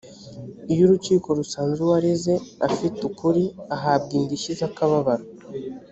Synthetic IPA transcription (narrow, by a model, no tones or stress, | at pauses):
ijuɾut͡ʃiːko̞ɾusaːnzuwaɾezeafitukuɾiaɦaːb̚ɡiːndiʃizakaβaβaɾa